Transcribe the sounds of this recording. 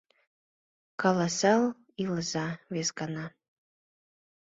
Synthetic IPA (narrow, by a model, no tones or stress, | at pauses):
kɑlɑsɑl | iləzɑβesɡɑnɑ